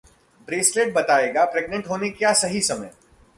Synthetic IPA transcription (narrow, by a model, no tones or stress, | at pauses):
bɾeːsleːʈ̚bɐt̪aːeːɡapɾeːɡ̚nə̃ɳʈɦoːnekjaːsɐɦisɐməj